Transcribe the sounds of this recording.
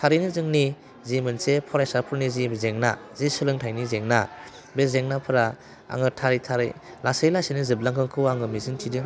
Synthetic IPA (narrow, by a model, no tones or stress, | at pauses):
tʰaɾinɯzɯŋni | zimɯnsepʰɔɾajsapʰɯɾnizibzeŋnazisɯlɯŋtʰajnizeŋna | bezeŋnapʰɯɾa | a̰ŋɯtʰaɾitʰaɾḭ | lasejlasinizɯblaŋkʰɯŋkʰɯwaŋɯmizɯŋtʰidɯ